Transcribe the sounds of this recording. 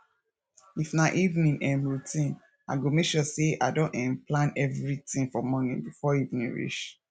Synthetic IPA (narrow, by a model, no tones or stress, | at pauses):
ifnaʔivnĩnɛ̃mɹutĩn | a̰ɡomeʃɔseʔa̰dɔ̃ɛ̃mplãnɛvɹitĩŋfɔmɔnḭ̃bifɔivnĩnɹḭt͡ʃ